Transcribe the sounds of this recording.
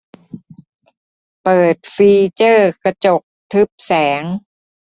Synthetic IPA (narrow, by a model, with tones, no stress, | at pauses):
pɤː˨˩t̪̚fiː˧t͡ɕɤː˥˩kɾa˧t͡ɕo˨˩k̚t̪ʰɯ˦˥p̚sɛː˩˦ŋ